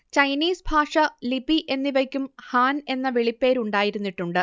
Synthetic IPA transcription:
t͡ɕɐjniːsbʱaːʂɐlibiʔe̞nːiʋɐkʲːumhaːne̞nːɐʋeɭipːe̞ːɾuɳɖaːjiɾunːiʈːuɳɖɨ

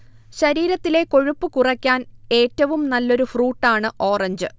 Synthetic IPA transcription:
ɕɐɾiːɾɐt̪ːile̞ko̞ɻupːɨkurɐkʲːaːne̞ːtːɐʋumnɐlːo̞ɾufruːʈːaːɳɨʔo̞ːrɐɲd͡ʑɨ

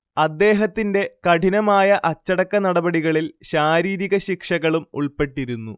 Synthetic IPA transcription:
ɐd̪ːe̞ːɦɐt̪ːinde̞kɐʈʰinɐmaːjɐʔɐt͡ɕːɐɽɐkːɐnɐɽɐbɐɽiɣɐɭilɕaːɾiːɾiɣɐɕikʂɐɣɐɭumṵɭpe̞ʈːiɾunːṵ

